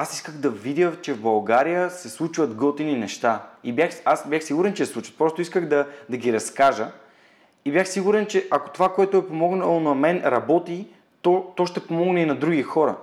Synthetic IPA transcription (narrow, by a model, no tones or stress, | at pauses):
asiskəɣd̪ɐvid̪jət͡ʃɛvbɐlˠɡaɾijəsɛslˠut͡ʃvɐt̪ɡolˠt̪ininɛʃt̪aibʲjaxasbʲjaxsiɡʊɾɛnt͡ʃɛslˠut͡ʃvə̥t̪̚pɾɔst̪oiskəɣd̪ɐd̪ɐɡiɾɐskaʒə | ibjaxsiɡuɾɛnt͡ʃɛʔako̥t̪ovakoɛt̪ʊɛpomɔɡnəlˠonɐmɛnɾɐbɔt̪i | t̪ɔt̪ɔʃt̪ɛpomɔɡnɛinɐd̪ɾuɡixɔɾə̰